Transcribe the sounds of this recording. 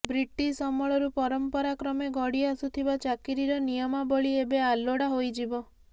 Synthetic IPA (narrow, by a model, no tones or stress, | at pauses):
bɾiʈːisɔmɔɭɔɾupɔɾɔmpɔɾakɾɔmeɡʱɔɽiasut̪ʰibat͡ʃakiɾiɾɔnijɔmabɔɭiebealoɽaɦojd͡ʒibɔ